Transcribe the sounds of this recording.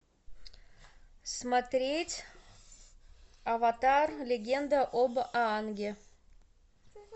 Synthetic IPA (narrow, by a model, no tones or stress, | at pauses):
smat̪ɾʲetʲ | avat̪arlʲeɡʲend̪əʔobəʔɑːnɡʲe